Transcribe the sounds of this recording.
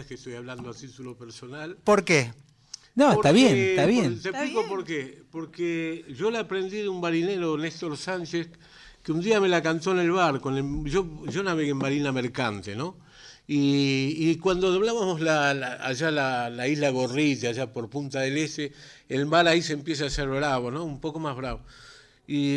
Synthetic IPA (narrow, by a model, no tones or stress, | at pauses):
eskest̪o̞jaβland̪oat̪it̪ulo̞peɾso̞nalpoɾke | noeoɾt̪aβjent̪aβjet̪eplikopoɾkepoɾkeʒo̞leapɾe̞nd̪iðeumbaɾine̞ɾo̞nest̪o̞ɾsant͡ʃes | keund̪iame̞lakant̪oene̞lβaɾkoneʒoʒonaβeɣembaɾinameɾkant̪eno̞ | iː | kwand̪oðoβlaβamo̞slalaaʒalalaizlaɣo̞ritaʒapo̞ɾpunt̪aðele̞st̪eː | lβaɾaisempje̞s̬aːseɾβɾaβo̞no̞umpo̞ko̞mazβɾaβo | i